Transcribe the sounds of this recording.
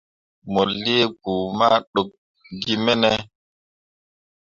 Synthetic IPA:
mɔ˨li˦e˦ɡ̚uː˨ma˦ɗo˨k̚ | ɡi˦mɛ˦nɛ˦

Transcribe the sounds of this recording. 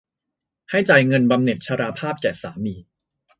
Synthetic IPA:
ha˥˩jt͡ɕa˧jŋɤ˧nba˧mne˨˩t̪̚t͡ɕʰa˧ɾaː˧pʰaː˥˩p̚kɛː˨˩saː˩˦miː˧

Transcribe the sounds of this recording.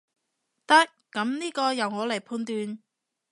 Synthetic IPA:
t̪ɐ˥kːɐ˨˥mniː˥kɔː˧jɐ˨wŋɔː˨˧le˨˩jpʰuː˧nt̪yː˧n

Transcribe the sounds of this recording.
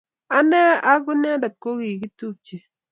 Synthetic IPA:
a˦nɛ˦a˦ɡʊ˦n˦a˦da˨t̚ko˦ki˨ki˦tu˦˨p̚t͡ʃe˨

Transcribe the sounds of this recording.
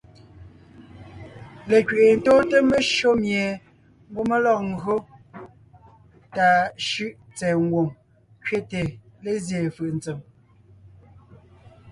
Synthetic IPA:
le˨kɥe˨ʔe˨n̩˨˦toː˦te˦me˦ʃo˦mje˨ | ŋ̩˦ɡo˦me˦lɔ˨k̚ŋ̩˦ɡɰo˦ | ta˨ʃʉ˦˨ʔt͡sɛː˨ŋ˦ɡwo˨ŋ | kɥe˦te˨le˨zje˨fɯ˨ʔn̩˨t͡se˨m

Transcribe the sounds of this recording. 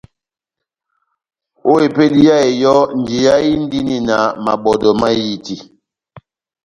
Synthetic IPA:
o˦e˨pe˦li˦ja˦e˨jɔ˦n̩˨d͡ʒi˨ja˦i˦n˦di˦ni˦na˨ma̰˨ɓɔ˨dɔ˨ma˦ji˦ti˨

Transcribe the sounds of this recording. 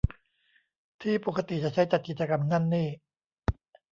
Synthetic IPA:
t̪ʰiː˥˩puː˨˩kʰa˧t̪i˨˩t͡ɕa˨˩ʔt͡ɕʰa˦˥jt͡ɕa˨˩t̪̚ki˨˩t̪̚t͡ɕa˧ka˧mŋa˥˩˨nːiː˥˩

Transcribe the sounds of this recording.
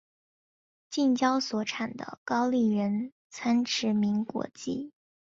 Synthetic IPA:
t͡ɕi˥˩ŋt͡ɕjɑ˥ʊswɔ˨˥ʈ͡ʂʰa˨˩nd̪ə̰˦kɑ˥ʊli˥˩ɻə˧˥n | t͡sʰa˥nʈ͡ʂʰɻ̩˧˥mi˧˥ŋkwɔ̰˧˥t͡ɕi˥˩

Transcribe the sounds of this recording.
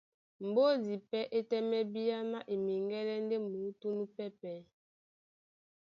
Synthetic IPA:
m˨bo˦di˨pɛ˦ʔe˦tɛ˦mɛ˦bi˦a˦ma˦ʔe˨mi˨ŋɡɛ˦lɛ˦n˦de˦mu˨˦tu˦nu˦pɛ˦pɛ˨˦

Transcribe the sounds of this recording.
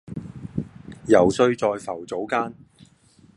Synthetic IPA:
jɐ˨˩wsɵ˧ɥt͡sɔː˧jfɐ˨˩wt͡so˨˥wkaː˥n

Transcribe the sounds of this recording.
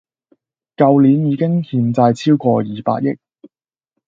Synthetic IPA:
kɐ˧wliː˨˥njiː˨˧˥kɪ˥ŋhiː˨˧nt͡sɐ˧jt͡sʰiː˥wkʷɔː˧jiː˨pa̰ː˧t̚jɪ̰˥k̚

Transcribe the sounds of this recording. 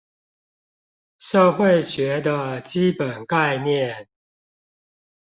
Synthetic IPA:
ʂɤ˥˧xwe˥˨ɪɕɥɛ˨˥d̪ə˧t͡ɕi˦pə˨˩nka˥˧ɪnjɛ˥˨n

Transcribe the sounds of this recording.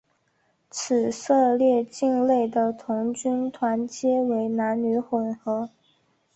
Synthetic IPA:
t͡sʰɹ̩˨˩sɤ˥˧ljɛ˥˧t͡ɕi˥˧ŋle˥˩ɪd̪ə˩t̪ʰʊ˧˥ŋt͡ɕy˥nt̪ʰwa˧˥nt͡ɕjɛ˥we˧˥ɪna˧˥nny˧˥xwə˨˩nxɤ˧˥

